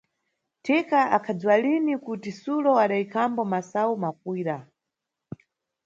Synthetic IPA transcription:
tʰikaʔakʰad͡ziwalinikutisulɔaɗaikʰambɔmasaumap̚wiːɾa

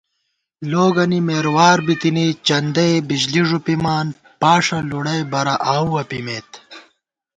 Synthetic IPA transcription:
loːɡɐnimeːɾwaːɾbit̪init͡ɕɐnd̪ɐjbid͡ʑliʐupimaːn | paːʂɐluɽɐjbɐɾɐʔaːwɐpimeːt̪

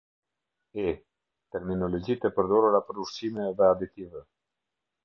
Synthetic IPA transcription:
ɛ | t̪ɛɾminɔlɔd͡ʑit̪ɛpəɾd̪ɔɾuɾapəɾuʃsimɛðɛad̪it̪ivɛ

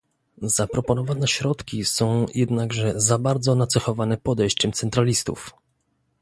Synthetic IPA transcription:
zapɾɔpɔnɔvanɛɕɾɔt̪kʲisɔ̃w̃jɛd̪naɡʐɛzabaɾd̪zɔnat̪sɛxɔvanɛpɔd̪ɛjɕt͡ɕɛmt̪sɛnt̪ɾalʲist̪ṵf

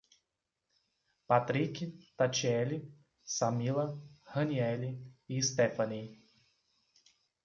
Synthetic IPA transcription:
pat̪ɾikʲit̪at͡ʃiɛlʲi | samilˠɐhənʲiɛlʲiist̪ɛfanʲij

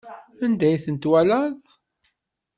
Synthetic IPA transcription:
ənd̪æjθənt̪wælæðˤ

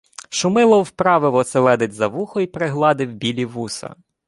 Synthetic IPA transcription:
ʃʊmɪlˠɔwpɾɑʋɪʋɔselˠɛd̪ɪtʲzɐʋuxɔipɾɪɦlˠɑd̪ɪwbʲilʲiʋusɐ̰

